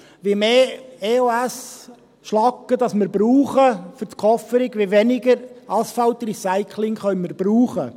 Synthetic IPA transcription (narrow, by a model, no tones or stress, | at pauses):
ʋjemeːeːoæs | ʃlɑkːəd̪ɑsmɪɾbɾuːχəfʏt̪kʰɔfəɾɪɡʋjeʋɛnɪɡəɾɑsfɑlt̪risæɪkʰlɪŋχœʏməɾb̥ɾuːχə